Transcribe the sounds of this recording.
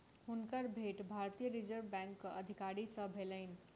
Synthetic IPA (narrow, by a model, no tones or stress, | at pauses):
ɦunkəɾbʱeʈbʱaɾt̪ijəɾid͡ʒəɾʋbɛ̃ŋkːəʔəd̪ʱikaɾisə̃bʱeləɪnĭ